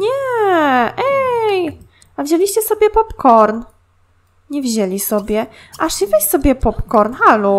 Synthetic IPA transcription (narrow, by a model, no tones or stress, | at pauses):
ɲɛ | ʔɛj | avʑelʲiɕt͡ɕɛsɔbʲjɛpɔpkɔɾn | ɲɛvʑɛlʲisɔbʲjɛ | ʔaʂivɛɕsɔbʲjɛpɔpkɔɾnxalu